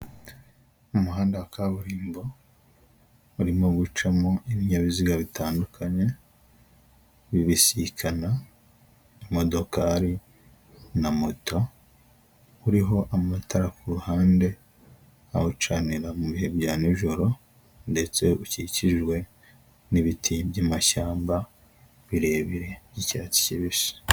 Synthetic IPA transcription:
umuhaːndawakʰaβuɾiːmbo̞ | uɾimo̞ɡut͡ʃamo̞iβiɲaβiziɡaβitaːndukʰaɲe̞ | βiβisikʰana | imo̞do̞kaɾi | namoto̞ | uɾiɦo̞ʔamatʰaɾakuɾuhaːnde̞ | ahut͡ʃaniɾamuβihe̞βɟaːniiʒo̞ɾo̞ | nde̞t͡se̞uciciʒwe̞ | niβitʰibɟamaʃaːmba | βiɾe̞βiɾe̞icaːti̥ciβiʃi̥

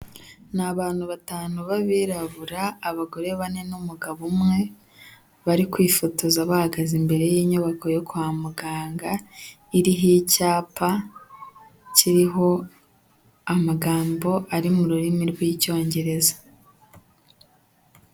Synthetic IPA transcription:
naβaːn̥huβataːnuβaβiɾaβuɾaːβaɡo̞ɾe̞βane̞numuɡaβumŋe̞ | βaɾikwiːfotozaβahaɡazimbe̞ɾe̞jiːɲuβako̞jo̞kuhamuɡaːŋɡa | iɾiɦicaːpa | ciɾiɦo̞ | amaɡaːmbo̞aɾimuɾuɾimiɾwiːco̞ːɲɟe̞ɾe̞zḁ

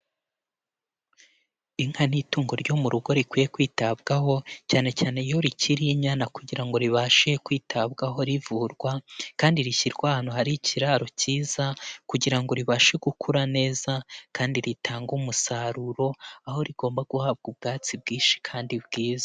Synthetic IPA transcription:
iŋ̥hanituːŋɡo̞ɾɟo̞muɾuɡo̞ɾikwijekwiːtabɡaɦo̞caːne̞caːne̞ijoɾiciɾiɲanakuɟiɾaŋɡo̞ɾiβaːʃe̞kwiːtʰabɡaɦo̞ɾivuɾɡwakaːndiɾiçiɾɡwahaːnuhaɾiciɾaːɾo̞ciːz̥akuɟiɾaŋɡo̞ɾiβaːʃe̞ɡukʰuɾane̞ːzakaːndiɾitʰaːŋɡumusaɾuɾo̞aho̞ɾiɡo̞ːmbaɡuhaːb̚ɡub̚ɡaːt͡sibɡiːnʃi̥kʰaːndibɡiːzḁ

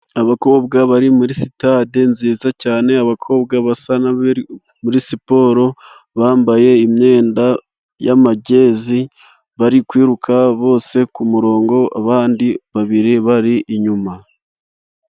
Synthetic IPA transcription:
aβako̞ːbɡaβaɾimuɾisitaːde̞nziːzacaːne̞aβakʰo̞ːbɡaβasanaβi | muɾisipo̞ːɾo̞ | βaːmbaje̞imɲe̞ːnda | jamaɟe̞ːzi | βaɾikwiːɾukʰaβo̞ːse̞kumuɾo̞ːŋɡo̞a̰βaːndiβaβiɾiβaɾiʔːɲuma

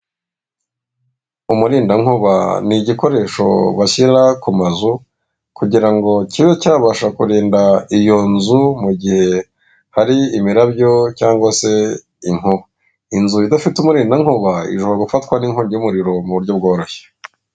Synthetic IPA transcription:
umuɾiːndaŋuβa̰niɟiko̞ɾe̞ʃo̞̰βaçiɾakumazu | kuɟiɾaŋɡo̞ciβe̞caːβaʃakuɾiːndaijo̞nzumuɟihe̞ | haɾiimiɾabjo̞caːŋɡwase̞ | iŋ̥uβa | inzuidafitumuɾiːndaŋ̥uβaḭʒuβaɡufatkwaniŋoɲumuɾiɾo̞muβuɾɟo̞b̚ɡo̞ːɾo̞çe̥

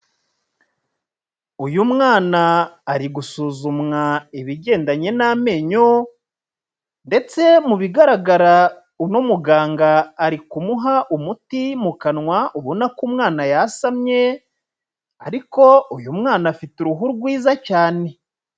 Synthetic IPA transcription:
ujumŋaːnaːɾiɡusuːzumŋaiβiɟe̞ːndaɲe̞name̞ːɲo | nde̞t͡se̞muβiɡaɾaɡaɾa | unumuɡaːŋɡaːɾikumuɦaʔumutimukanŋwauβonakumŋaːnajasamɲe̞ | aɾiko̞ujumŋaːnafituɾuɦuɾɡwiːzacaːne̞

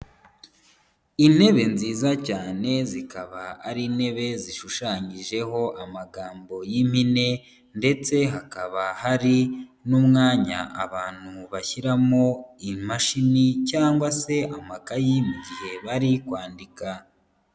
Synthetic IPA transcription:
ine̞βe̞nziːzacaːne̞zikaβaa̰ɾiːne̞βe̞ziʃuʃaːɲiʒe̞ɦo̞ʔamaɡaːmbo̞jim̥hine̞ | nde̞t͡se̞ɦakaβahaɾinumŋaːɲa̰ʔa̰βaːn̥huβaçiɾamo̞imaʃinicaːŋɡwase̞ʔamakajimuɟihe̞βaɾikwaːndika

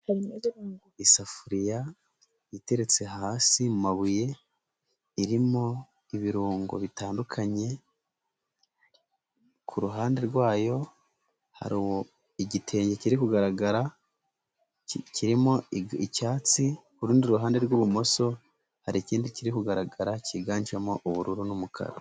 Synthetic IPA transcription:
h | isafuɾija | jite̞ɾe̞t͡se̞haːsimumaβuje̞ | iɾimo̞ | iβiɾuːŋɡo̰βitaːndukʰaɲe̞ | kʰuɾuɦaːnde̞ɾɡwaːjo̞ | ha̰ɾiwo | iɟitʰe̞ːɲɟe̞ciɾikuɡaɾaɡaɾa | ciɾimo̞icaːt͡sikuɾuːndiɾuɦaːnde̞ɾɡwuβumo̞so̞ | haɾiciːndiciɾikuɡaɾaɡaɾaciɡaːɲt͡ʃamo̞ʔuβuɾuɾunumukʰa̰ɾo

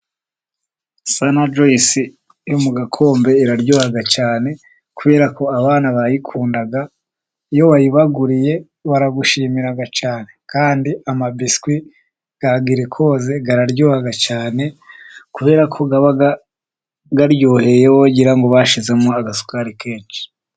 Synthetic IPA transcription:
sanad͡ʒoisi | jumuɡakʰo̞ːmbe̞iɾaɾɟohaɡat͡ʃaːne̞ | kuβe̞ːɾako̞aβaːnaβajikʰuːndaɡa | jo̞wajiβaɡuɾije̞ | βaɾaɡuʃiːmiɾaɡat͡ʃaːne̞kaːndiamabiskwi | ɡ̥aɡiɾekʰo̞ːze̞ɡaɾaɾjoːhaɡat͡ʃaːne̞kuβe̞ːɾakʰo̞ɡaβaɡa | ɡaɾɟoːhe̞jewo̞ɟiɾaŋɡoβaʃize̞mŋoaɡasu̥kaɾikeːt͡ʃi̥

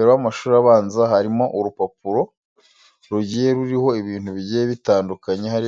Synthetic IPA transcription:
eɾowamaʃuːɾiɾaβaːnzaɦaɾimo̞ʔuɾupapuɾo̞ | ɾuɟije̞ɾuɾiho̞iβiːn̥huβiɟijeβitaːndukaɲehaɾi

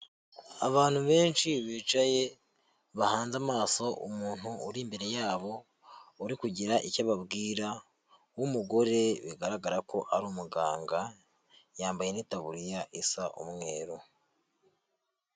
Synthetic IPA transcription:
aβaːn̥huβe̞ːnʃiβiːt͡ʃaje̞ | βahaːnzamaːso̞ʔṵmuːn̥huːɾimbe̞ɾe̞jaːβo̞ | uɾikuɟiɾaʔicaβabɡiːɾa | wumuɡo̞ɾe̞βiɡaɾaɡaɾako̞ʔaɾuːmuɡaːŋɡa | jaːmbajenitaβuɾijaʔisaʔṵmŋe̞ːɾu

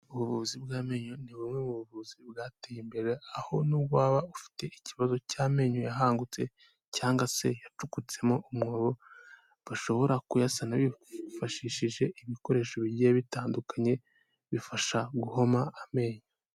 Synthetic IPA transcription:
uβuβuβuzibɡaːme̞ːɲoniβumŋeβuβuβuzibɡaːtejimbe̞ɾeaho̞nuːbɡwaːβaufi̥te̞ʔiciβazo̞caːme̞ːɲojaɦaːŋɡut͡se̞ | caːŋɡase̞jat͡ʃukut͡se̞mo̞ʔumŋoːβo̞ | βaʃo̞βo̞ɾakujasanaβifaʃiːʃiʒe̞ʔiβiko̞ɾe̞ːʃoβiɾɟijeβitaːndukaɲe̞ | βifaʃaɡuho̞maːme̞ːɲo

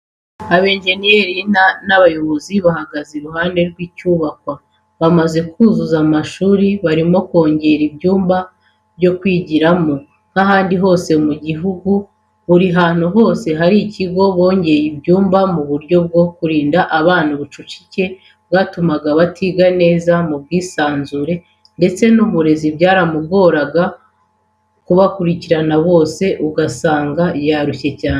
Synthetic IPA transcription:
aβe̞ːnʒe̞nije̞ɾinanaβajo̞βoziβahaɡaziɾuɦaːnde̞ɾɡwiːcuːβakwa | βamaze̞kuzuzamaʃuːɾiβaɾimo̞ko̞ːɲɟe̞ɾibɟuːmba | bɟo̞kwiːɟiɾamo̞ | n̥aɦaːndiɦo̞ːse̞muɟiɦuɡu | βuɾiɦaːn̥huɦo̞ːse̞ɦaɾiciɡo̞βo̞ːɲɟe̞jibjuːmbamuβuɾɟo̞b̚ɡo̞kuɾiːndaʔaβaːn̥uβut͡ʃut͡ʃi̥ce̞ | bɡaːtumaɡaβatʰiɡane̞ːzamub̚ɡiːsaːnzuɾe̞ | nde̞t͡se̞nuβuɾe̞zibjaːɾamuɡo̞ːɾaɡa | kuβakuɾiciɾanaβo̞ːse̞ʔuɡasaːŋɡajaːɾuce̞caːn

